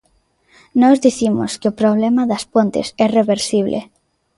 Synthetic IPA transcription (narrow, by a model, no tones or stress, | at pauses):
nɔzðiθimo̰skeopɾoβ̞lemaðaspont̪ḛsɛreβeɾsiβlʔḛ